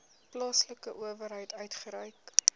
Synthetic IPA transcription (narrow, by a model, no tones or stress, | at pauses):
plɑːsləkəʔuəvəɾɦəjtœɥtχəɾəjk